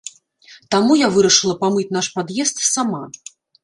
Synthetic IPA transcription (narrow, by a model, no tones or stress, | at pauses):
t̪amujavɨɾɐʂɨlˠɐpamɨt͡sʲnaʂpad̪jɛst̪sama